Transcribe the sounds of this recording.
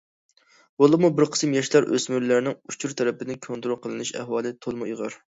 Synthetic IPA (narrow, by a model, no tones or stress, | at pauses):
b̥olˠɨmubɪɾqʰə̥smjɑʃlˠɑɾʔø̰smyɾlæɾnɪŋut͡ʃʰuɾt̪ʰɛɾɛpɪd̪ɪkʲʰont̪uɾuqʰəlˠɨnyʃæ̰hwɑːlˠɨt̪ʰolˠmuiʁəɾ